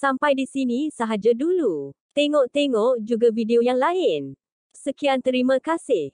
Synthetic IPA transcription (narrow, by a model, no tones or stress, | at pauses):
sampajdisinĩsaɦad͡ʒadulut̪eŋɔʔt̪eŋɔʔd͡ʒuɡavideojaŋlaɪn | səkiant̪əɾimãkasɪh